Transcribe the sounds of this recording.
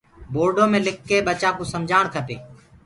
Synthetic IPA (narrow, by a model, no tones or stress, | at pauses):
boːɾɖoːmẽːlɪkːeːɓət͡ʃaːkuːsəmd͡ʒʱaːɳ̃kʰət̪ḛː